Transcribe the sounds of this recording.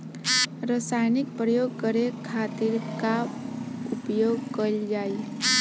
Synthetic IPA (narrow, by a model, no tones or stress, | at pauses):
ɾəsaːjnɪk̚pɾəjoːɡ̚kəɾekʰaːt̪ɪɾka | ʊpjoːɡkəld͡ʒaːi